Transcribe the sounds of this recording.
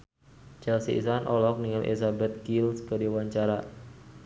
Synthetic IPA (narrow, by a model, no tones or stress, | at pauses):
t͡ʃɛlsḭḭsanʔɔlɔk̚niŋalʔḭlsabɛt̪̚ɡilskədiwaɲt͡ʃaɾa